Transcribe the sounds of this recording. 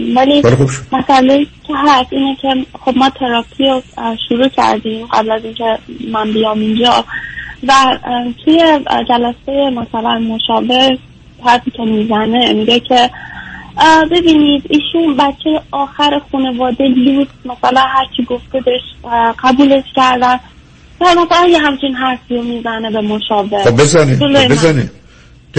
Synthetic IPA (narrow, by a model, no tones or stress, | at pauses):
vælielixubʃomæsælecʰeɦæst̪iːnecʰe̞xobmɒːt̪ʰe̞ɾɒːpʰiɾoʃuɾuːcʰæ̰ɾd̪imɢæ̰blæziːnkʰe̞mænbijɒːmind͡ʒɒ | væt̪ʰujed͡ʒælæsejemæsælænmoʃɒːve̞ɾ | t̪ʰæɾæpiːcʰemiːzæne̞miɡecʰe̞ | be̞biːnid̪iːʃunbæt͡ʃʰːejeɒːxæɾexuːne̞vɒːd̪eluːst̪mæsælænɦæɾt͡ʃʰiɡo̞fbed̪eʃɢ̥æbuːle̞ʃcæɾd̪æn | væmæsælænjeɦæmt͡ʃʰinɦæɾfiɾomiːzæne̞bemo̞ʃɒːve̞obezaniolobezani